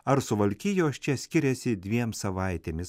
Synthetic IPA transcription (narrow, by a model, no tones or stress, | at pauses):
ɐɾsʊʋɐlʲkʲijoːsʲt͡ʃʲɛsʲkʲɪɾʲɛsʲɪd̪ʲʋʲiɛmsɐʋɐɪt̪ʲeːmʲɪs